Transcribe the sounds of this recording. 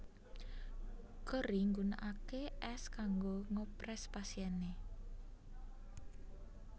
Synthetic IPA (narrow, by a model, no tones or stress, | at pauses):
kəɾiŋɡuna̰ʔakeʔɛskaŋɡoŋɔpɾɛspasiɛne